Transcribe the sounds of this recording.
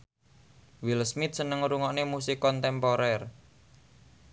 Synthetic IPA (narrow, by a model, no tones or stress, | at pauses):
wilsmit̪̚sənəŋɾuŋɔʔnemusikɔnt̪ɛmpɔɾɛr